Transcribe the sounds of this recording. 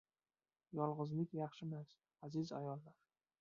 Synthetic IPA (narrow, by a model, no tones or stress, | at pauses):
jɒlˠʁɨzlɪkʲjɑχʃɪmas | azɪza̰jɒlˠːaɾ